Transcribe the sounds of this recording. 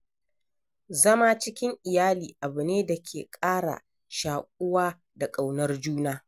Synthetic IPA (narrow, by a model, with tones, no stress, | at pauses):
zɐ˦maː˦t͡ʃɪ˦kʲɪ˦ŋʔɪ˨jaː˦liː˨ʔa˨bɨ˨neː˦da˨kʲʰeː˨kʼaː˦ɽa̰˨ | ʃaː˨kʷʼʊ˦waː˦ | da˨kʼa˨wnɐ˦rd͡ʒuː˦naː˦